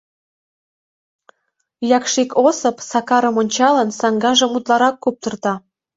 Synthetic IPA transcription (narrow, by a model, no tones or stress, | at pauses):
jɑkʃikʰosɤ̆psɑkɑɾəmonʲt͡ɕɑlənsɑŋɡɑʒə̆mut̪lɑɾɑkːup̚t̪ərt̪ɑ